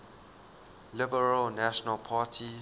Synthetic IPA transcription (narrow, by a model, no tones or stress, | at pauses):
lɪbəɹəlnaʃɔnəlpʰaːtʰi